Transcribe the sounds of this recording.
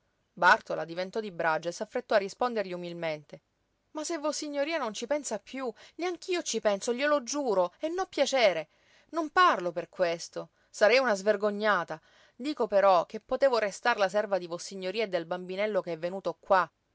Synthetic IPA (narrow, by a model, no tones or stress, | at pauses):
bart̪olad̪ivent̪ɔd̪ibɾad͡ʒoesːafːɾet̪ːɔarːispond̪erʎiumilment̪e | masevːosiɲːoɾiːanont͡ʃipɛnsapʰːjuleaŋk̟iːot͡ʃipɛnsoʎiolod͡ʒuːɾoenːɔpːjat͡ʃeːɾe | nomparloperkwest̪o | saɾɛjunazverɡoɲːaːt̪a | d̪iːkopeɾɔk̟epːot̪eːvoɾest̪aɾlas̬ɛrvad̪ivosiɲːoɾiːaed̪ːelbambinɛlːok̟eɛvːenuːt̪okwa